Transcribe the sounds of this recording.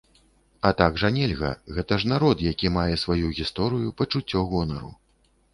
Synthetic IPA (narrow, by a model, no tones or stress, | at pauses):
ɐt̪aɡʐanʲɛlʲɣɐ̰ɣɛt̪ɐʐnaɾɔt̪jakʲimajɛsvajuɣʲist̪ɔɾɨjupɐt͡ʂut͡sʲːɔɣɔnɐɾṵ